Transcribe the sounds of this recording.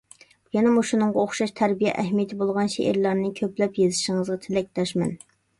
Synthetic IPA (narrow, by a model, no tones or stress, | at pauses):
jɛnɛmuʃunɨŋʁɑoχʃɑʃt̪ʰæɾbijɛ̰ʔɛɦmijet̪ʰɪbolˠʁɑnʃḛʔḛɾlˠɑɾnɨkʲʰøplɛpjezɪʃɪŋəzʁɑt̪ʰɪlɛk̚ʲt̪ʰɑʃmɛ̰n